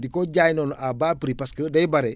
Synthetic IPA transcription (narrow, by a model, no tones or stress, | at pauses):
dikoɟaːjnoːnʔabaːpɾipɐskədɐjbɐɾe